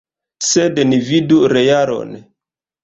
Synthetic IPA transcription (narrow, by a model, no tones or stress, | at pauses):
sednividuɾejaɾo̰n